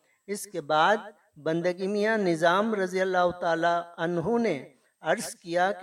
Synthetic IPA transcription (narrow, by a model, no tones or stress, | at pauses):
ɪskebaːd̪̚ | bɐ̃nd̪əɡimijanɪzaːmɾɐzijəlːaːɦʊt̪aːlaɐnɦune | ɐɾzkijak